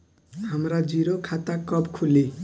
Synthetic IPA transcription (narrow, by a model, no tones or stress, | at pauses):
hamɾad͡ziɾokʰat̪akʌbkʰule